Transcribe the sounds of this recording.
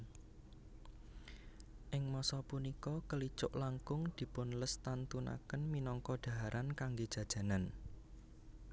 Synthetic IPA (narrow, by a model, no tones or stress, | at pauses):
ʔɪŋmɔsɔpunikɔkəlit͡ʃʊʔlaŋkʊŋd̪̥i̤pʊnləst̪ant̪una̰kənminɔŋkɔ̥d̪̥ä̤ɦaɾʔankaŋɡed̥ʒ̥ä̤d̥ʒ̥ä̤nan